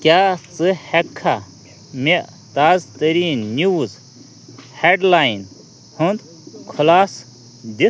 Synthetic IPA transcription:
kʲjaːt͡sɨhekʰːa | meʔ | t̪aːzt̪ɐɾiːnːuːz | heɖlaːjn | hund̪ | kʰulaːs | d̪i

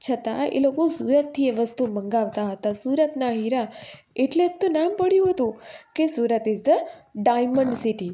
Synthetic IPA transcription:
t͡ʃʰət̪a̰ḛlokosuɾət̪ʰːieʋəst̪uməŋɡaʋt̪aɦət̪asuɾət̪naɦiɾa | eʈlet̪ːonampəɽjũɦət̪ũkesuɾət̪esd̪əɖajməɳɖsiʈi

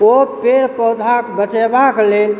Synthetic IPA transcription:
opeɾpəɦud̪ʱakbət͡ʃebaklel

